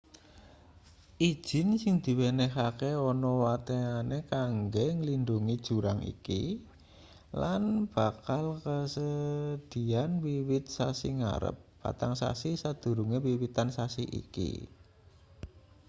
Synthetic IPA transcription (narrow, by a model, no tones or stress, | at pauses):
ʔid̥ʒ̥ɪ̤nsɪŋd̪̥i̤wenehakeɔnɔwat̪eanekaŋɡeŋəlinduŋid̥ʒ̥ṳɾaŋḭkḭ | lanb̥a̤kalkəsəd̪̥i̤anwiwɪt̪̚sasḭŋa̰ɾə̰p̚ːa̰t̪aŋsa̰sisad̪̥ṳɾuŋewiwit̪ansasḭʔḭkḭ